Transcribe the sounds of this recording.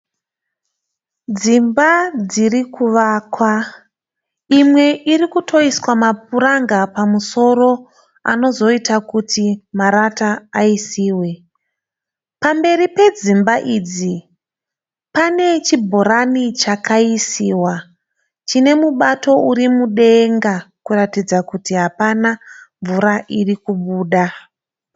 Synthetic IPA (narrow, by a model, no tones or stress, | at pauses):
d͡zimbad͡zirikuʋaːkwa | imwe̞ʔirikutʰo̞iswamap̚uɾaŋɡapamuso̞ɾo̞ | a̰no̞zo̞itakutʰimaɾataːisiːwe̞ | pambe̞ripe̞d͡zimbaʔiːd͡zi | pane̞t͡ʃibʱo̞ɾanit͡ʃakaisiːwa | t͡ʃine̞muɓato̞uɾimuɗe̞ŋɡakuratid͡zakutiɦapanaɱvuɾaʔirikuɓuːɗa